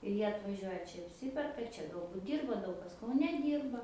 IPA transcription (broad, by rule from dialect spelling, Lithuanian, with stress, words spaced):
ɪr ˈjiɛ ɐtʋɐˈʒʲuɔjɛ ˈt͡ʃʲɛ ɐpʲˈsʲɪpʲɛrkɐ ˈt͡ʃʲɛ ɡɐlˠˈbʊt ˈdʲiːrbɐ ˈdɐʊk kɐs kɐʊˈnʲɛ ˈdʲiːrbɐ